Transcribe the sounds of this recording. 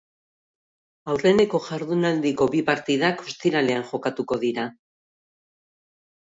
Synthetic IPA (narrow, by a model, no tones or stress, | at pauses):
awre̞ne̞ko̞ʝaɾðunald̪iko̞bipaɾt̪iðako̞st̪iɾale̞anʝo̞kat̪uko̞ðiɾa